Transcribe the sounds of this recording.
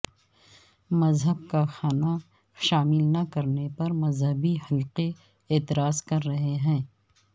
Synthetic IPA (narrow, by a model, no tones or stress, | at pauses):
mɐzɦəb̚kaxaːna | ʃaːmɪlnɐkɐɾnepɐɾmɐzɦəbihɐlqe | eːt̪ɪɾaːzkɐɾːɐɦeɦɛ̃ː